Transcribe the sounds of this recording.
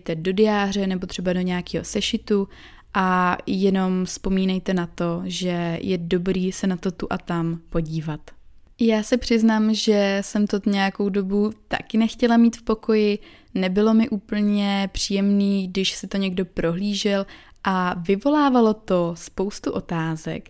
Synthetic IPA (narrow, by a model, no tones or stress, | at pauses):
t̪ɛdo̞dɪjaːr̝ɛnɛbo̞t̪r̝̥ɛbado̞ɲɛakiːɦo̞̰sɛʃɪt̪u | ʔajɛno̞mspo̞miːnɛjt̪ɛnat̪o̞ʒɛjʔɛdo̞bɾiːsɛnat̪o̞t̪uʔat̪ampo̞ɟiːvat̪ | jaːsɛpr̝̥ɪznaːmʒɛsɛmt̪oɲɛjako̞wdo̞but̪a̰kɪnɛxcɛlamiːt̪fpo̞ko̞jɪ | nɛbɪlo̞mɪʔuːpl̩ɲɛpr̝̥iːjɛmniːɡdɪʃsɪt̪o̞ɲɛɡdo̞pɾo̞ɦliːʒɪlʔavɪvo̞laːvalo̞t̪o̞spo̞wst̪uʔo̞t̪aːzɛ̰k